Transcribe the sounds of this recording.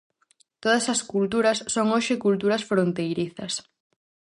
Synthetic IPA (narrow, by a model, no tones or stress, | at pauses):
t̪oðɐsɐskult̪uɾɐsːoŋoʃɪkult̪uɾɐsfɾont̪ejɾiθɐs